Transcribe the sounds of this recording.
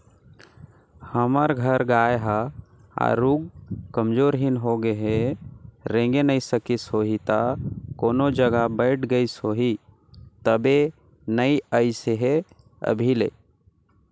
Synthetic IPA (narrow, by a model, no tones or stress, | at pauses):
həməɾɡʱəɾɡaːjɦa | a̰ɾuɡ̚kəmd͡ʒoːɾɦinɦoɡəɦe | ɾẽŋɡenəisəkisɦoɦit̪akoːnod͡ʒəɡabəɪʈʰɡəisoːɦi | t̪əbe | nəiəɪseɦe | ə̰bʱilḛ